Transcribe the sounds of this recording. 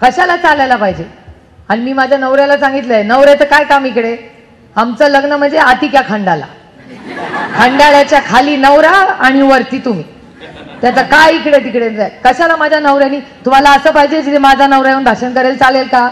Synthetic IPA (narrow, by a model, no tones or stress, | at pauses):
kəɕalat͡salajlapaɦid͡ʑe | aɽimiːmad͡ʑʱjanəʋɾalasãŋɡit̪ləenəʋɾet̪əkajkamikɽe | amt͡səːləɡnəm̤əɳnd͡zeat̪ikjakʰəɳɖala̰ | kʰəɳɖaɭat͡ɕjakʰaliːnəʋɾaːɽ̃iʋəɾt̪iːt̪um̤iː | t̪jat͡sakajikɽet̪ikɽent̪ajkəɕalamad͡ʑʱanəʋɾjaniːt̪um̤alaəsəːpaɦid͡ʑed͡ʑit̪ʰemad͡zʱanəʋɾajaunb̪ʱaɕənkəɾelt͡salelka